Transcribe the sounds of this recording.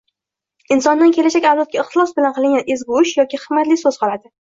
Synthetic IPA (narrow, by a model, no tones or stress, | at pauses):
ɪnsɒnd̪ankʲʰe̞laʃakʲawlat̪̚kʲaɪχt̪ɪlˠɒsbɪlanqʰɨlˠɪŋʲanezɡʊʊʃjɒkʲɪχɨmːat̪lɪsɵz̥qʰɒlˠad̪ɪ